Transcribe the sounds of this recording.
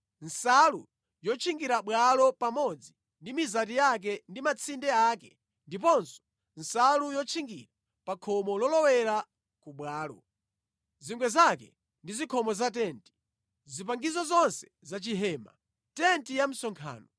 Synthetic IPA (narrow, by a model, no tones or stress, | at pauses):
n̩salṵ | jɔt͡ʃʰiŋɡiɾaɓwalɔpamɔd͡zi | ndimizat̬ijak̬ɛndimat͡sʰindɛaːkɛ | ndipɔnsɔ̥ | n̩salujɔt͡ʃʰiŋɡḭɾa | pakʰɔmɔlɔlɔwɛɾa | kuɓwaːlɔ̰ | ziŋɡwɛzakɛ | ndizikʰɔmɔzat̬ɛːnti̥ | zipaŋɡizɔzɔnsɛ̥ | zat͡ʃiɦɛːma̰ | tɛntijam̩sɔŋkʰa̰ːnɔ